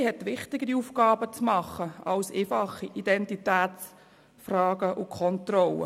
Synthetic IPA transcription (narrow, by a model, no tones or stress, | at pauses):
hɛtʋɪχtɪɡəɾiufkɑːbət͡smɑχːəɑʊseːfɑχːiʔid̥ɛntitæːt͡s | frɑːɡ̥əʔʊkʰɔntrɔlə̰